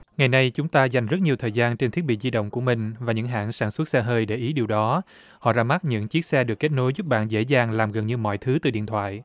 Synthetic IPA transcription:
ŋa˨˩jna˧jt͡ɕʊ˨˦ŋ͡mt̪aː˧za˨˩jŋ̟zə˦˥t̚ɲi˨˩əwt̪ʰəː˨˩jzaː˧nt͡ɕe˧nt̪ʰi˦˥t̚ɓḭ˧˨zi˧ɗə̰˧˨wŋ͡mku˧˩əmï˨˩ŋ̟vaː˨˩ɲɨ̰˧˥ŋɦa̰ː˧˩nsaː˧˩nswt̚sɛ˧ɦəː˧jɗe˧˩ʔi˨˦ɗi˨˩əwɗɔ˨˦ | hɔ̰˧˨zaː˧ma˦˥t̚ɲɨ̰˧˥ŋt͡ɕi˦˥ət̚sɛ˧ɗɨ˨˩əkːe˦˥t̚no˨˦jzu˦˥p̚ɓa̰ː˧˨nzḛ˧˥zaː˨˩ŋlaː˨˩mɣə˨˩nɲɨ˧mɔ̰˧˨jt̪ʰɨ˨˦t̪ɨ˨˩ɗḭ˧˨ənt̪ʰwa̰ː˧˨j

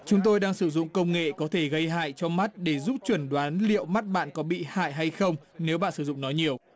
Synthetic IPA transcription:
t͡ɕʊ˨˦ŋ͡mt̪o˧jɗaː˧ŋsɨ˧˩zʊ̰˧˨ŋ͡mkə˧wŋ͡mŋḛ˧˨kɔ˨˦t̪ʰe˧˩ɣə˧jɦa̰ː˧˨jt͡ɕɔ˧ma˦˥t̚ɗe˧˩zu˦˥p̚t͡ɕwə˧˩nɗwaː˨˦nlḭ˧˨əwma˦˥t̚ɓa̰ː˧˨nkɔ˨˦ɓḭ˧˨ha̰ː˧˨jɦa˧jxə˧wŋ͡m | ne˨˦wɓa̰ː˧˨nsɨ˧˩zʊ̰˧˨ŋ͡mnɔ˨˦jɲi˨˩əw

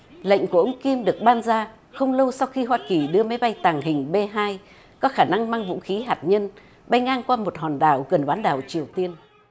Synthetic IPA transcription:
lə̰˧˨jŋ̟ku˧˩əʔə˧wŋ͡mki˧mɗɨ˨˩ək̚ɓaː˧nzaː˧ | xə˧wŋ͡mlə˧wsa˧wxi˧ɦwaː˧ki˨˩ɗɨ˧əma˨˦jɓa˧jt̪aː˨˩ŋɦï˨˩ŋ̟ɓe˧ɦaː˧j | kɔ˨˦xaː˧˩na˧ŋmaː˧ŋvṵ˧˥xi˨˦ɦaː˨˩t̚ɲə˧n | ɓa˧jŋ̟ʔaː˧nkwaː˧mo˨˩t̚hɔ˨˩nɗaː˨˩wɣə˨˩nɓaː˨˦nɗaː˨˩wt͡ɕi˨˩əwt̪i˧ən

